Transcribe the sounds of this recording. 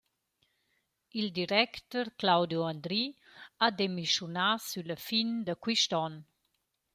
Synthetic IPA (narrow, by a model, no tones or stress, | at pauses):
ild̪iɾɛkt̪ɔɾklawd̪joand̪ɾiad̪emiʃjunasyləfind̪əkwiʃt̪ɔn